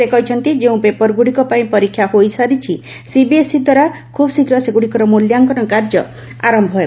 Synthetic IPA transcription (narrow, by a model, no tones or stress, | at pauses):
sekɔɦit͡ʃʰɔnt̪id͡ʒeũpepɔɾɡuɽikɔpaĩpɔɾikʰːjahojsaɾit͡ʃʰi | sibiesid̪waɾa | kʰubsikɾɔseɡuɽikɔɾɔmuljaŋkɔnɔkaɾd͡ʒɔ̰ | a̰ɾɔmbʱɔɦe